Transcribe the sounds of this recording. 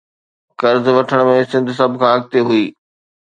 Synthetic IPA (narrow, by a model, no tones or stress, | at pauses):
kɐɾzʋɐʈʰəɽ̃̆mẽsɪ̃nd̪ʱsɐb̆ʱkʰãːɐɡ̚t̪eɦuiː